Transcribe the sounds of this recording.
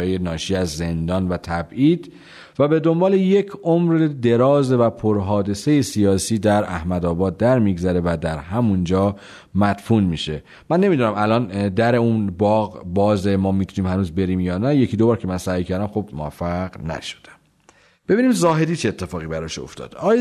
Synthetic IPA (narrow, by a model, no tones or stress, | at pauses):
jenɒːʃiːæzːe̞nd̪ɒːnvæt̪ʰæbʔiːd̪ | væbe̞d̪o̞mbɒːle̞je̞cʰʔomɾed̪e̞ɾɒːzvæpʰoɾɦɒːd̪e̞se̞jesijɒːsiːd̪æɾæhmæd̪ɒːbɒːd̪̚ːæɾmiːɡzæɾe̞væd̪æɾɦæmund͡ʒɒː | mæt̪funmiːʃe̞ | mænːe̞miːd̪unæmælɒːnd̪æɾe̞unbɒːɣbɒːzemɒːmiːt̪ʰuniːmhænuːzbe̞ɾiːmjɒːnæje̞cʰiːd̪o̞bɒːɾcʰemænsæːjcʰæɾd̪æmxo̞b̥moæ̰fæɢnæ̰ʃo̥d̪̥æ̥m | b̥e̞biːniːmzɒːɦe̞d̪iːt͡ʃʰeet̪ʰːe̞fɒːɣibæɾɒːʃo̰ft̪ʰɒ̰ːd̪̥ːj